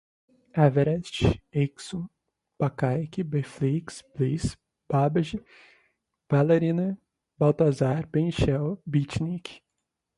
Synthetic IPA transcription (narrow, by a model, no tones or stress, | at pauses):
avɛɾɛst͡ʃeksõ | pakajkibefliksblis | babɐʒi | v̥aleɾĩnɐ | bawt̪azaɾbẽnʃɛwbit͡ʃnik